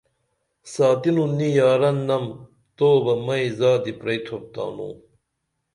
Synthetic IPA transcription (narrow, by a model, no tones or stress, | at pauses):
saːt̪inunijaːɾɐnːɐm | t̪oːbɐmɐizaːd̪ipɾɐjt̪ʰop̚t̪a̰ːnṵː